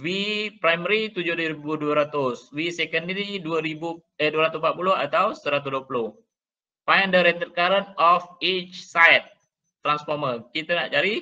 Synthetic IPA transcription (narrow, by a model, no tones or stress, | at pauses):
wipɾajməɾit̪ud͡ʒʊdɾibuduəɾat̪ʊswisɛkəndəɾiduəɾibuəduəɾat̪ʊsmpat̪̚pulʊɦat̪awsːəɾat̪̬usduəpulʊh | pajəndəɾɛt̪ət̪̚kaɾənɔfit͡ʃsajt̪̚ː | ɾansfɔməkit̪anaʔt͡ʃaɾi